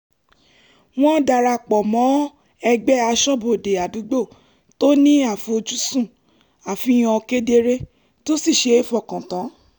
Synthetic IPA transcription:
w̃ɔ̃˦da˧˨ɾa˧˨k͡pɔ˨mɔ̃˨˦ | ɛ˧ɡ͡bɛ˦a˧ʃɔ˦bo˨de˨a˨du˨˦ɡ͡bo˦˨ | to˦nĩ˦a˦˨fo˧d͡ʒu˦sũ˦˨ | a˨fĩ˧˦j̃ɔ̃˧ke˦de˧ɾe˦ | to˦si˦˨ʃe˧˦e˦fɔ˧˨kã˨tã˨˦

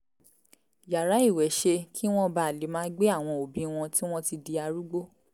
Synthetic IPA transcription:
ja˨ɾa˨˦i˦˨wɛ˨˦ʃe˧kʰi˦w̃ɔ̃˦ba˧˨le˨˦mãː˦ɡ͡be˦a˦˨w̃ɔ̃˧o˨bĩ˦w̃ɔ̃˧ti˦w̃ɔ̃˦ti˧di˧a˧ɾu˦ɡ͡bo˦

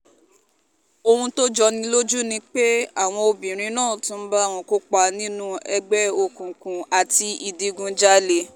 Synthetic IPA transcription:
o˧hũ˧to˦d͡ʒɔ˧nĩ˧lo˦d͡ʒu˦nĩ˧k͡pe˦a˦˨w̃ɔ̃˧o˧bĩ˨ɾ̃ĩ˧˦nãː˦˨tũ˧˦n̩˦ba˦˨w̃ɔ̃˧˦ko˦k͡pa˧nĩ˦nũ˦ɛ˧ɡ͡bɛ˦o˧kũ˨kũ˨a˨ti˧i˨di˨˧ɡũ˧d͡ʒa˦le˧˨

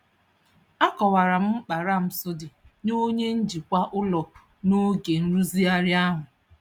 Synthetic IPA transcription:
a˦kɔ˨wa˨ɾa˨m̩˦m̩˦k͡pa˨ɾa˦m̩˨sʊ˦dɪ˨no˦ɲe˦n̩˦d͡ʒi˨kʷa˦ʔʊ˦lɔ˨ | no˦ɡe˨n̩˦ɾu˦zi˦a˦ɾja˦ɦʊ˨

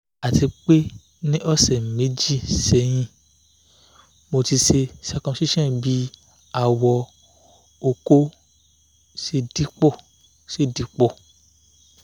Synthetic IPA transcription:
a˨ti˧k͡pe˦ | nĩ˦ʔɔ˦˨sɛ˨me˨˦d͡ʒi˦˨sɛ˧j̃ĩ˧ | mo˧ti˧ʃe˧sɛ˧kɔ̃˧ʃi˦ʃɛ̃˦bi˦ | a˦˨wɔ˧ | o˧ko˦ | ʃe˧di˦k͡pɔ˦˨ | ʃe˦˨di˨˧˦k͡pɔ˦˨

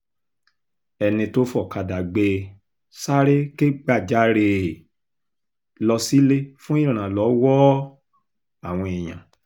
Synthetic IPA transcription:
ɛ˧nĩ˧to˦fɔ˦˨ka˧da˨ɡ͡be˧ | sa˦ɾe˦ke˦ɡ͡ba˦˨d͡ʒa˨˦ɾe˧ | lɔ˧si˦le˦fũ˦i˦ɾ̃ã˨lɔ˨˦wɔ˦ | a˦˨w̃ɔ̃˧i˨j̃ã̰˨

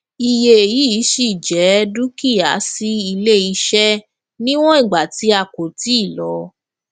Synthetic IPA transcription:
i˧je˧e˨ji˦i˨˦ʃi˦˨d͡ʒɛ˨˦du˦ki˦˨a˨˦si˦i˧le˦i˧ʃɛ˦ | nĩ˦w̃ɔ̃˦i˦˨ɡ͡ba˨ti˨˦a˧˨ko˨ti˦i˦˨lɔ˨˦

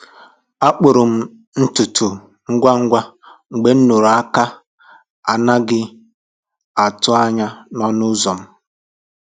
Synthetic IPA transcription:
a˦k͡pʊ˨ɾʊ˨m̩˦ | n̩˦tʊ˨tʊ˨ | ŋ̩˦ɡʷa˦ŋ̩˦ɡʷa˦ | ŋ͡m̩˨ɡ͡be˦n̩˦nu˨ɾa˦ka˦ | a˨na˦ɡɪ˦ | a˨tʊ˦a˦ɲa˦nɔ˦nʊ˦zɔ˨m̩˦

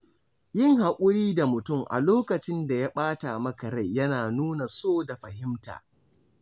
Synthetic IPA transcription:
jɪ˦ŋha˨kʷʼʊ˦ɽiː˦da˨mʊ˨tʊ˦˨mʔa̰˨loː˦kɐ˨t͡ʃɪ˦nda˨ja˦ɓaː˦ta˨mɐ˦kɐ˨ɾa˦˨jjɐ˦naː˨nuː˦na˨soː˦da˨ɸɐ˨hɪ˦mta̰ː˨

